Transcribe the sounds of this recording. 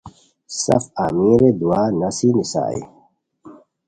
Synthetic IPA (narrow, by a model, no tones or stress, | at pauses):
sɐ̰fa̰miɾed̪uaːnɐsinisa̰ːḭ